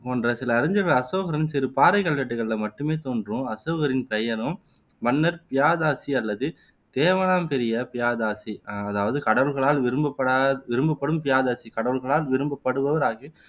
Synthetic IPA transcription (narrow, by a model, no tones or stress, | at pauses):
poːndrɐsɪlɐːɾɐɲd͡ʒɐɾɐɭɐsoːɣɐɾɪnsɪɾɯpaːɾɐɪkːɐlʋɐʈːɯɣɐɭɪlɐmɐʈːɯmeːt̪oːndrɯ̃ɐsoːɣɐɾɪnpɛjɐɾɯm | ʋɐnːɐɾpɪjaːðaːsiɐlːɐðɯ | t̪eːʋɐnaːmpɛɾɪjɐpɪjaːðaːsiɐðaːʋɐðɯkɐɽɐʋɯlɣɐɭaːlʋɪɾɯmbɐpːɐɽaʋɪɾɯmbɐpːɐɽɯmpɪjaːðaːsikɐɽɐʋɯɭɣɐɭaːlʋɪɾɯmbɐpːɐɽɯʋɐʋɐɾaːɣɯ